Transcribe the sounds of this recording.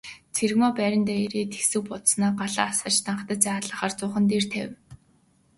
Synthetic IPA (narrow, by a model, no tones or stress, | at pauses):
t͡sʰerɣmɔːpæːɾʲɪ̆nt̪æːeɾeːt̪ʰe̥xsɘ̆k̚pʊt̪snaːɢaɮa̰ːasə̆t͡ɕt̪ʰaɴχt̪ə̆t͡saːɮə̆χaːrt͡sʊːχə̆nt̪̬ert̪ʰæ̰w